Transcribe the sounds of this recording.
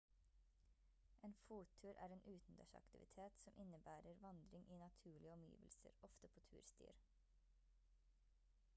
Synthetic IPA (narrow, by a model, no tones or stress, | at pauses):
ʔeːnfuːt̪ʰʉːɾʔæ̰ːɾeːnʔʉːt̪n̩d̪æ̰ʃɑ̰kt̪ɪʋɪ̰t̪ʰeːt̪sɔmʔɪnəbæːɾəɾʋɑnd̪ɾɪŋʔiːnɑt̪ʰʉːɭɪəɔmjḭːʋəlsə̰ɾɔft̪əpʰoːt̪ʰʉːɾst̪y̰ːɾ